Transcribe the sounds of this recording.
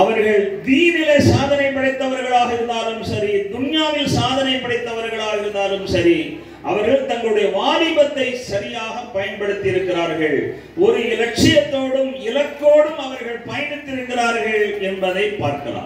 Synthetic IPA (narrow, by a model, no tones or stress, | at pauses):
ɐʋɐɾɣɐɭd̪iːnɪlɐsaːðɐnɐɪpːɐɽɐɪt̪ːɐʋɐɾɣɐɭaːɣɐɪɾɯnd̪aːlɯmsɐɾid̪ʊɳjaːʋɪlsaːðɐnɐɪpːɐɽɐɪt̪ːɐʋɐɾɣɐɭaːɣɐɪɾɯnd̪aːlɯmsɐɾi | ʔɐʋɐɾɣɐɭt̪ɐŋɡɐɭɯɽɐjɐʋaːlɪbɐt̪ːɐɪsɐɾɪjaːɣɐpːɐjɐnpɐɽɯt̪ːɪjɪɾɯkːɪraːɾɣɐɭ | ɔɾɯɪlɐk̚ʂɪjɐt̪ːoːɽɯmɪlɐkːoːɽɯmɐʋɐɾɣɐɭpɐjɐnɯt̪ːɪɾɯŋɡɪraːɾɣɐɭɛnbɐðɐɪpa̰ːɾkɐla̰ː